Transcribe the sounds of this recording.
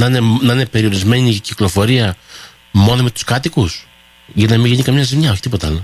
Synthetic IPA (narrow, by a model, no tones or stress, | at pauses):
nɐinenɐine̞pe̞ɾio̞ɾizme̞ɲiciklo̞fo̞ɾiɐ | mo̞no̞me̞t̪u̥skɐt̪ikus | ʝɐnɐmiʝiɲikɐmɲɐzimɲɐoçi̥t̪ipo̞t̪ɐɐ̰lo